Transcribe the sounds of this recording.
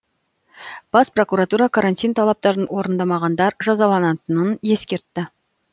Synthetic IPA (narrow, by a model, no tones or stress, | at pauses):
b̥ɑspro̞kuɾat̪uɾɑkʰaɾant̪ʲijnt̪ʰɑlˠɑp̚t̪ɑɾənwo̞ɾənd̪ɑmɑʁɑnd̪ɑɾʒɑzɑlˠɑnɑt̪ənənje̞skʲe̞ɾt̪ːɪ